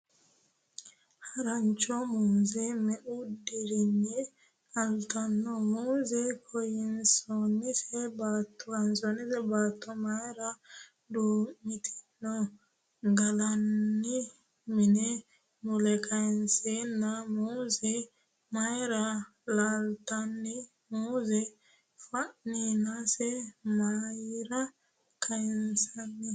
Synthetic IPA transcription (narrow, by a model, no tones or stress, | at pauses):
haɾaɲt͡ʃɔmunzɛmɛudiɾiɲːɛ | alt̪anːɔmuːzɛkʰɔjinsɔnisɛbat̪ʰːɔansɔnisɛbaːt̪ːɔmajɾa | duːmit̪ʰi̥nːɔ | ɡɐlɐnːɪ | mɪnɛ | mʊlɛkʰɐjɪnseːnːɐmuːzɛ | mɐjɾɐ | laːlt̪ɐnːɪ | muːzɛ | fɐʔninasɛmaːjɾɐ | kʰɐjɪnsɐnːɪ